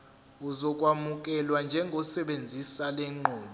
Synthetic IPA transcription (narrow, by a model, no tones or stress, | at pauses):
uzɔk̬ʼwamuk̬ʼɛlwand͡ʒʱɛŋɡʱɔsɛɓend͡zʱisalɛŋ͡ǃʱɔːɓɔ